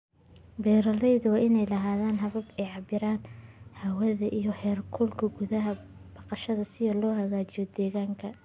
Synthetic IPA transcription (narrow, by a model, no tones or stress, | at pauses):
bɛːɾɐlɛjðʊwɑːɪnɛjlɐɦaːðaːnɦɐβɐbɛjʕɑbɪɾaːnhɐwɐðɐʔijɞhɛːrkʰʊlkʰɐɡʊðɐɦɐb̥ɑqɑʃɐðɐsɪjɔlɔːhɐɣaːt͡ʃɪjɔd̪ɛːɣaːŋkʰɐ